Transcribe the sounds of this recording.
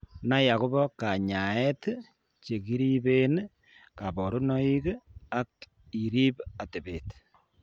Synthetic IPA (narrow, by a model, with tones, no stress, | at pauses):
na˦ja˨ku˦βɔ˦ka˨ɲa˨ɛ˦t | t͡ʃe˨ki˦ɾi˦be˦n | ka˨bɔ˨ɾu˦nɔ˦i˦ka˦k | i˨ɾi˦ba˨te˨be˨t